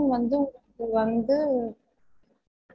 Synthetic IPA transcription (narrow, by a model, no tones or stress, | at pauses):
mʋɐnd̪ɯɐkːɯʋɐnd̪ɯ